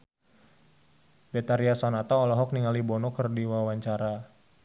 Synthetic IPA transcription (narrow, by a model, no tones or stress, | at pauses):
bɛt̪aɾiasɔnat̪aɔlɔɦɔk̚niŋalibɔnɔkərdiwawaɲt͡ʃaɾa